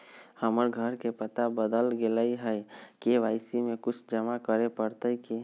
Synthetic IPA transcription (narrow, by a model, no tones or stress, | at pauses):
həməɾɡʱəɾkepət̪abəd̪əlɡelaiɦɛjkeʋaːɪsimẽkʊt͡ʃʰd͡ʒəmakəɾepəɾt̪əiki